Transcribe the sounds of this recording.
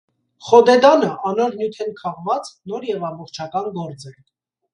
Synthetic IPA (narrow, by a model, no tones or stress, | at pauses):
χɔd̪ɛd̪ɑnəʔɑnɔɾnjut̪ʰɛnkʰɑʁvɑt͡snɔɾjɛvɑmbɔχt͡ʃʰɑkɑnɡɔɾt͡sɛ